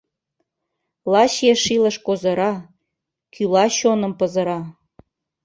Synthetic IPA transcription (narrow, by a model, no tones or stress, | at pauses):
lˠɑɕjeʃilə̆ʃkozɤ̆ɾɑ | kylɑɕonə̆mpɤzɤ̆ɾɑ